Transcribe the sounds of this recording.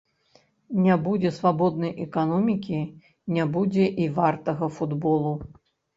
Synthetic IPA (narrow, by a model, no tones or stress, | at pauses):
nʲabud͡zʲɛsvabɔd̪̚nɐjʔɛkanɔmʲikʲi | nʲabud͡zʲɛʔivart̪ɐɣɐfud̪bɔlˠu